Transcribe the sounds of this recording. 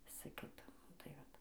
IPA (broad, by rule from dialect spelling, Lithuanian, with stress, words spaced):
ˈʋʲɪsɐ ˈkʲɪtɐ ˈnʊ tɐɪ ˈʋɐt